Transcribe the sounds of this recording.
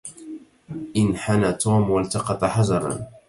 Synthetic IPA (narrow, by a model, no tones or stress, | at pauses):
ʔɪnħanat̪ʰuːmwalt̪ɑqɑt̪ˤɑħazɑɾˤɑ̰